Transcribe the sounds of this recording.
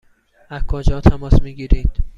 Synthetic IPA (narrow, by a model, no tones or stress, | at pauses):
æzkʰod͡ʒɒːt̪ʰæmɒːsmiːɟiːɾiːd̪̥